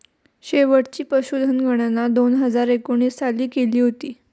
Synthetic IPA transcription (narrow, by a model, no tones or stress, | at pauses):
ɕeʋəʈt͡ɕiːpɾəɕud̪ʱənɡʱəɽ̃anːad̪onɦəd͡zaɾekoɽ̃iːssaliːkeliːɦot̪iː